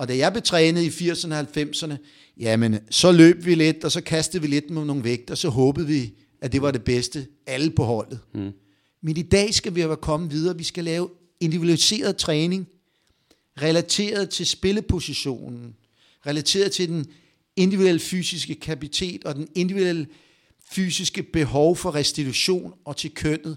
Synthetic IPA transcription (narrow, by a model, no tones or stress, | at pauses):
ɒ̽d̥æjɑ̈ɪb̥let͡sʰʁɛːnð̩ˠifiɐ̰sɐnəhælfem̰sɐnə | jæmensɒ̽lø̰ːb̥ʋile̝d̥ɒ̽sɒ̽kʰæsd̥ð̩ˠʋile̝d̥̚mono̝ːn̩ʋeɡ̥̚d̥ɐsɒ̽ɦɔ̽ːb̥ð̞̩ˠʋi | æd̥e̝ʋɑ̈ɾe̝b̥esd̥ə | æl̩pʰɒ̽ɦɒ̽l̰ð̩ˠ | menid̥ɛ̰ːsɡ̥æʋikʰɒ̽məʋið̞ˠɐːʋisɡ̥ælɛːʊ | e̝nd̥iuælise̝̰ːɐð̞ˠt͡sʰʁɛːne̝ŋ | ʁɛlæt͡sʰe̝̰ːɐð̞ˠt͡sʰe̝lsb̥e̝ləpʰo̝siɕo̝̰ːnn̩ | ʁɛlæt͡sʰe̝̰ːɐð̞̩ˠt͡sʰe̝d̥en | e̝nd̥iʋd̥uelfy̰ːsisɡ̥əkʰæpit͡sʰe̝̰ːd̥ɒ̽d̥ene̝nd̥iʋiel̰ | fy̰ːsisɡ̥əb̥e̝ɦɒʊfɒ̽ʁɛsd̥it͡sʰuɕo̝̰ːnɒ̽t͡sʰe̝lkʰøn̰ð̩ˠ